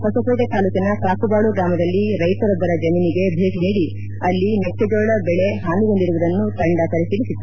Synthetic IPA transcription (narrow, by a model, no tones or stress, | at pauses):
pɐsɐsoːʈet̪aːlukɐnɐkaːkubaːɭuɡɾaːmɐd̪ɐlːiɾɐjt̪ɐɾɔd̪ːɐɾɐd͡ʒɐminiɡe̞bʱeːkniːɽi | ɐlːinet͡ʃːud͡ʒoːɭɐbɛɭeɦaːniɡond̪iɾuɡɐd̪ɐnːut̪ɐɳɖɐk̪ɐɾisilisit̪ːu